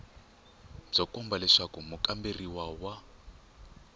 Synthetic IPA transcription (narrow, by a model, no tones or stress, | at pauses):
b͡ʐɔkɔmbalɛʂakumukʼamberiwawa